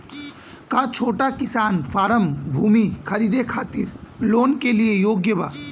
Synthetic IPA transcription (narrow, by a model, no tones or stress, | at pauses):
kat͡ʃʰoːʈakɪsaːnfʰaːɾəmbʱuːmikʰəɾiːd̪ekʰaːt̪ɪɾloːnkeliejoːɡjəba̰ː